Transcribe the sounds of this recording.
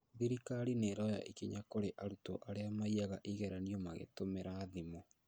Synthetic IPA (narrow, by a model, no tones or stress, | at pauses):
ðiɾikaɾineːɾɔja̰ʔikiɲakoɾeʔaɾuto̰ʔaɾeamaiaɣaʔiɣɛɾaniɔmaɣḛtomeɾaðimo